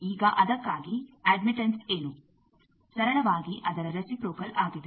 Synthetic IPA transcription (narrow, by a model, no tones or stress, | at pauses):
iːɡɐʔɐd̪ɐkːaːɡieːɖmiʈɐnseːnu | sɐɾɐɭɐʋaːɡiʔɐd̪ɐɾɐɾɐsipɾoːkɐlʔaːɡid̪e